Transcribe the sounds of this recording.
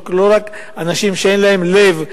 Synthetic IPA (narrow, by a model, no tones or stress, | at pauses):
klo̞ʁak | anaʃimʃee̞nlae̞mle̞v